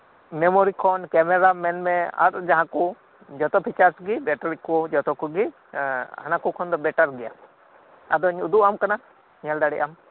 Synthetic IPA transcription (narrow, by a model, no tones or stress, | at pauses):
mɛmoɾikʰɔnkɛmɛɾamɛnmɛa̰ɾd͡ʒaɦãkɔ | d͡ʒɔt̪ɔpʰit͡ʃaɾsɡibɛʈaɾikɔd͡ʒɔt̪ɔkuɡi | hanakukʰɔnd̪ɔbɛʈaɾɡɛja̰ | ad̪ɔɲud̪uʔamkana | ɲɛld̪aɽɛʔam